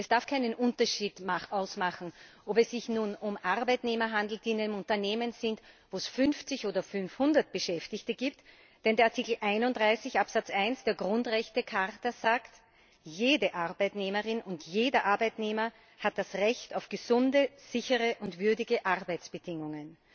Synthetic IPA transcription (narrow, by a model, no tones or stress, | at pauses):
ʔɛsd̥aɐfkʰaɪnənʔʊntɐʃiːdmaχʔaʊsmaχn̩ʔopɛsːɪçnuːnʊmʔaʁbæɪtneːmɐɦandl̩t̚d̥iːnænəmʊntɐneːmənzɪntvoːɛsfʏnft͡sɪçʔoːdɐfʏnfhʊndɐt̚b̥əʃɛftɪçtəɡ̥iːp̚t | d̥ɛndeɐaɐtʰikl̩ʔæɪnʊntd̥ʁaɪsɪçʔapsat͡sʔaɪnsd̥eːɐɡʁʊntʁɛçtəkʰaʁtɐzaːkt | jeːdəʔaʁbæɪtneːməʁɪnʊntjeːdɐʔaɐbæɪtneːmɐ | hat̚d̥asʁɛçtaʊfɡ̥əzʊndəz̥ɪçəʁəʔʊntv̥ʏɐdɪɡəʔaʁbæɪt͡sb̥əd̥ɪŋʊŋən